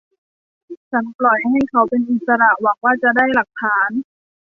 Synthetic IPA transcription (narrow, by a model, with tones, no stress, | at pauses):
t͡ɕʰa˦˥nplɔ˨˩jɦa˧˥˩jkʰa˧˦wpe˧nʔi˨˩t̪̚sa˧ɾa˨˩ʔwa˨˩˦k̚waː˥˩t͡ɕa˨˩daː˥˩jla˨˩k̚t̪ʰaː˨˩˦n